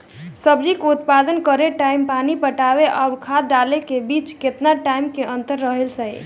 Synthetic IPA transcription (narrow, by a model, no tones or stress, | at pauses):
səbd͡ʒikut̪pad̪ənkəɾeʈaimpanipəʈabeʔaʊɾkʰad̪ɖalekebit͡ʃket̪naʈaimkeʔənt̪əɾːəɦelsəj